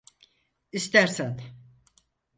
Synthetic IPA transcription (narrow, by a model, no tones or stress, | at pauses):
ist̪ʰæɾsæn